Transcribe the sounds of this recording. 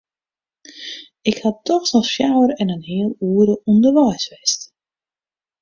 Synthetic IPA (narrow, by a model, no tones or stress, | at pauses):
ɪkhatɔxsasfjawəɾɛnənɦɪəlˠuːəɾəundərʋɛjsʋɛst